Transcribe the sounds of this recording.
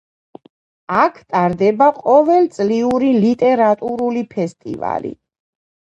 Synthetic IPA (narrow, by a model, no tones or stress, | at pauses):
akʰt̪ʼaɾd̪ɛbaqʼɔvɛlt̪sʼliuɾilit̪ʼɛɾat̪ʼuɾulipʰɛst̪ʼḭva̰lḭ